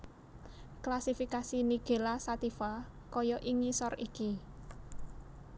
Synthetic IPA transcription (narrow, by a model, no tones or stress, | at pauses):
klasifikasiniɡ̥e̤lasat̪ifa | kɔjɔʔiŋisɔriki